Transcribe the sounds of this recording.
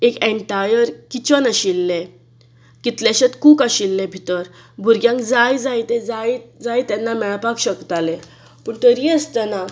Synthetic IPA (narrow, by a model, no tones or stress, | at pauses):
ekẽɳʈajəɾkit͡ɕənəɕilːe | kit̪leɕet̪kuːkəɕilːebʱit̪əɾ | bʱuɾɡjãŋkd͡zajd͡zajt̪ed͡zajd͡zajt̪ɛnːamɛɭpakɕəkt̪ale | pəɳt̪əɾiəst̪əna